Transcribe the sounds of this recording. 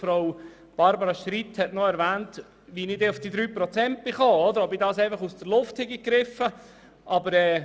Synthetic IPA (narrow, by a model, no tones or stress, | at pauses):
fɾoʊ | b̥ɑɾbəɾɑʃɾithɛtnɔɛɾvæːnt | ʋinɪdɛːʊfd̥iːd̪ɾyːpɾɔt͡sɛnt̚b̥ɪχɔːɔd̪əɾɔbidɑːsɛɪfɑχusd̥əɾlʊfthɪɡiɡ̥ɾɪfə | ʔɑbəɾɛː